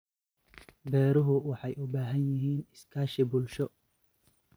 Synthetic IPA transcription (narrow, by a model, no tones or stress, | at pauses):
bɛːɾʊɦʊwɑħɑjʔʊbaːɦɐnjɪɦiːnɪskʰaːʃɪbʊlʃɔ